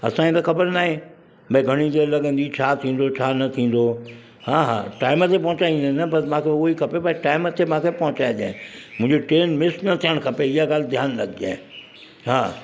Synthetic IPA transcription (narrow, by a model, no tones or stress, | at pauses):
ɐ̰sãẽt̪axɐbəɾnaːɦẽ | bɐ̃ɡʱɐɽ̃it̪elɐɡə̃nd̪it͡ɕʰaːt̪ʰĩːn̆d̪ot͡ʃʰaːnɐt̪ʰĩːn̆d̪o | hãːɦã̰ːʈaːɪmət̪ʰepɐ̃ɦʊ̃t͡ɕaːĩːnd̪enɐbɐsmãːkʰeoikʰɐpebaiʈaːɪmət̪ʰemãːkʰepɐ̃ɦʊ̃t͡ɕaːed͡ʒã̰ːẽmʊ̃ɦɪ̃d͡ʑeʈeːnmɪsʈnɐt̪ʰijəɽ̃kʰɐpeɪɦaɡaːld̪ʱjaːnlɐɡd͡ʑa̰ːẽ | ɦã̰ː